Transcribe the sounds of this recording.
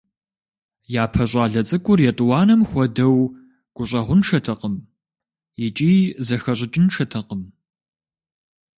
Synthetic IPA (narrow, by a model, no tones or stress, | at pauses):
jaːpʰɐɕʷʼɑːɮɐt͡sʼɨkʷʼʊrjɛtʼwɑːnɐmxʷɔdɐw | ɡ̥ʷʊɕʷʼɐʁʷʊnʂɐtʰɐqəm | jɪt͡ʃʼiːzɐxɐɕ̬ʷʼɪt͡ʃʼɪnʂɐtʰɐqəm